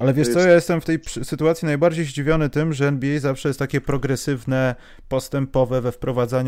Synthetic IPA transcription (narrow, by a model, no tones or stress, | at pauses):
ʔalɛvʲjɛʂt̪sɔjajɛst̪ɛmft̪ɛjpʂsɘt̪uat̪sʲinajbaɾd͡ʑejʑd͡ʑivʲjɔnɘt̪ɘmʐɛɛnbʲiɛjzafʂɛjɛst̪t̪akʲɛpɾɔɡɾɛsɘvnɛ | pɔst̪ɛmpɔvɛvɛfpɾɔvad̪zaɲ